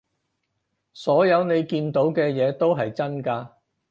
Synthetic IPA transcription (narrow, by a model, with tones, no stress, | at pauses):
sɔː˨˥jɐ˨˧wne˨˧jkiː˧nt̪o˨˥wkɛː˧jɛː˨˧t̪o˥wɦɐ˨jt͡sɐ˥nkaː˧